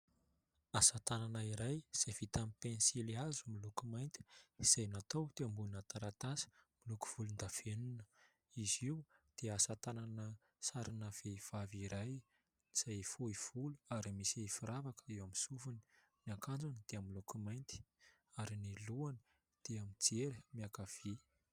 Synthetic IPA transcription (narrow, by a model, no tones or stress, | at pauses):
asat̪ananaiɾajz̥ajv̥it̪amipensiliazumilukumajnt̪i̥iz̥ajnat̪owt̪eambunat̪aɾat̪asi̥miluku̥v̥ulund̪av̥enunə̥ | iziwd̪̥easat̪ananə | saɾinəv̥eiv̥aviɾaj | iz̥ajfoiv̥uluaɾimisifiɾavakə̥ewamisuvuni̥ | naŋkand͡zanid̪̥eamilukumajnt̪i̥ | aɾiniluani | d̪̥eamid͡zeɾəmiakav̥i